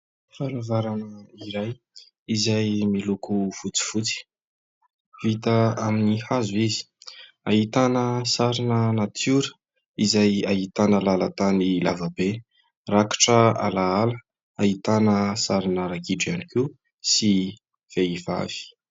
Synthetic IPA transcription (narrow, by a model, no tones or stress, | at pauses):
fanavaɾanəiɾaj | izajmilukufut͡si̥fut͡si̥ | vit̪əaminihazuizi̥ | aɦit̪anəsaɾinənat̪ʰuɾə̥ | izajaɦit̪anəlalat̪anilavabe | rakḁʈ͡ʂəa̰laalə | aɦit̪anəsaɾinəɾakiʈ͡ʂianiki | si | v̥eiva̰v̥i̥